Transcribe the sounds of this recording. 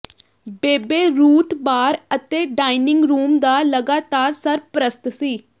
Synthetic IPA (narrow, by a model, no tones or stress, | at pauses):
beːbeːɾuːt̪baːɾət̪eːɖaːinɪŋɡɾuːmd̪aːləɡaːt̪aːɾsəɾpɾəst̪siː